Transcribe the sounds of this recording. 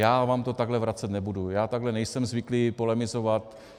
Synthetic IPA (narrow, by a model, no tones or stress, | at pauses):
jaːvaːmt̪ot̪aɡlɛvɾat͡sɛt̪nɛbudujaːt̪aɡɦlɛnɛjsɛmzvɪklipolɛmɪzovat̪